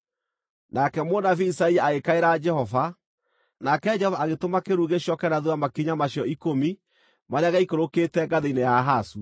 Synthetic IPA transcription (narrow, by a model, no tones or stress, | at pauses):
nakɛmonafiisaiaaɣekaeɾad͡ʒɛhɔva | nakɛd͡ʒɛhɔvaːɣetomakeɾuɣeɕɔkɛnaðuamakiɲamaɕiɔikomi | maɾeaɣaikoɾoketɛɡaðeinejaɦasu